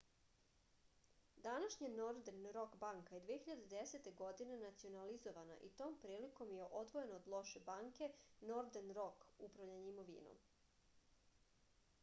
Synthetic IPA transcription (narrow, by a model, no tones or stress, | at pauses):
d̪anaʃɲinoɾd̪enɾo̞kbaŋkajed̪ʋieçiʎad̪ed̪eset̪e̞ɡo̞d̪ine̞nat̪sio̞nalizoʋana̰ʔit̪o̞ːmpɾiːliko̞mjeʔo̞d̪ʋoje̞noːd̪lˠo̞ʃe̞baːŋke̞no̞ɾd̪enɾo̞kupɾaʋʎaɲimoʋḭːno̰m